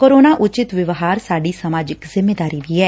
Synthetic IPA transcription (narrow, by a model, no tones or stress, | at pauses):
koːɾoːnaːʔʊt͡ʃɪt̪ʋɪʋɦaːɾsaːɖiːsəmaːd͡ʒɪkzɪmːeːd̪aːɾiːd̪iːɛː